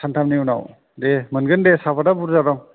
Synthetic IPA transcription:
sʰantʰamniuna̰w | demənɡɯndesapadabuɾzaɾɔŋ

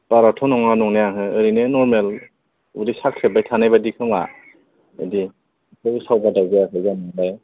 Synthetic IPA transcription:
paɾatʰɔnɔŋanɔŋnejaɦɯɯɾinenɔɾmel | udisak̚sebajtʰanajbadikʰɯŋa̰ | a̰di | kʰɯɯsawbadawɡajakʰɯzanaŋlaj

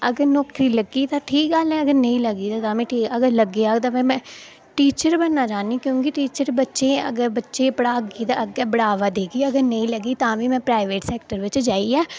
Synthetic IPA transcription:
əɡəɾnɔːkɾiːləɡiːt̪ãːʈʰiːk̚ɡəlɛːəɡəɾnəĩːləɡiːt̪ãt̪ãːmɛ̃ːʈʰiːəɡəɾləɡiːat̪ãːʋɛ̃ːmɛ̃ː | ʈiːt͡ʃəɾbənːaːd͡ʒaːniːkjõːkɪʈiːt͡ʃəɾbətːʃeːə̰ɡəɾbətːʃeːpəɽaːɡiːt̪aəɡɛːbəɽaːʋaːd̪eːkiːəɡəɾnəĩːləɡiːt̪ãːʋiːmɛ̃ːpɾaːɪʋeːʈsɛːk̚ʈəɾʋɪt͡ʃd͡ʒaːiɛː

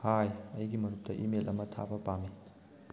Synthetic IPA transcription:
hajɐjɡimɐnup̚tɐʔimelʔɐmɐtʰa̰bɐpami

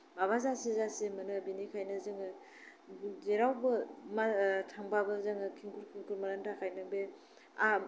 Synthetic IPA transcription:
maβazasizasemɯnɯbinikʰajnɯzɯŋɯ | zeɾawbɯmatʰaŋbabɯzɯŋɯkʰiŋkʰuɾkʰiŋkʰuɾmaɾantʰakʰajnɯbe | a

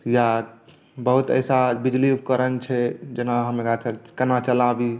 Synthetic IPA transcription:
ja | bəɦut̪ə̰jsabid͡ʒliup̚kəɾənt͡ʃʰɛd͡ʒenaɦəmeat͡ʃkənat͡ʃəlabi

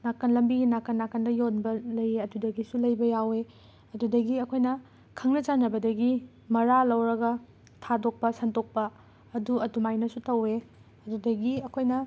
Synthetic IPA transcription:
nakɐnlɐmbiɡinakːɐnːakɐndɐjonbɐlɐjeɐdudɐɡisulɐjbɐjawe | ɐdudɐɡiɐkʰojnɐ | kʰɐŋnɐt͡ʃanɐbɐdɐɡi | mɐɾalɐwɾɐɡɐ | tʰadok̚pɐsɐntok̚pɐː | duɐtumajnɐsutɐwe | ɐdudɐɡiɐkʰojnɐ

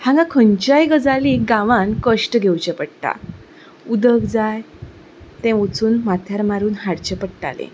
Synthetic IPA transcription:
hãŋɡãkʰəɲt͡ɕajɡəd͡zaliɡãʋãnkəʂʈəɡʱewt͡ɕɛpəɽʈ̪a̰ | ud̪əkd͡zaj | t̪ɛ̃ʋət͡suːnmat̪ʰjaɾmaɾuːnɦaɽt͡ɕepəɽʈa̰lḛ̃

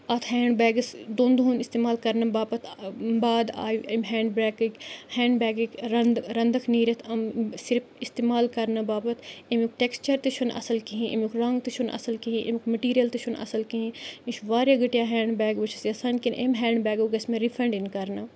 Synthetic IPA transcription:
ɐt̪ʰɦɛːɳɖbɛːɡɐsd̪oːnd̪unist̪eːmaːlkɐɾnɐbaːpɐt̪ʰbaːd̪a̰ːjɐmɦɛːɳɖbɾɛːkikhɛːɳɖbɛːɡikɾɐnd̪ɾɐnd̪ɐkʰniːɾɐt̪ʰɐmsiɾpʰist̪eːmaːlkɐɾnɐbaːpɐt̪emik̚ʈeːkst͡ʃɐɾt̪ɐt͡ʃʰunʔɐ̰sɐlkiɦĩʔḛmikɾɐŋɡt̪it͡ʃʰunɐ̰sɐlkiɦĩʔḛmikmɐʈiːɾijɐlt̪ɐʃʰunɐ̰sɐlkiɦĩiʃʰʋaːɾjaɡɐʈijaɦɛːɳɖbɛːɡʋɐt͡ʃʰɐ̥sjɐsaːnkinʔemɦɛːɳɖbɛːɡoɡɐsmẽɾipʰɾɐɳɖinkɐɾnɐ

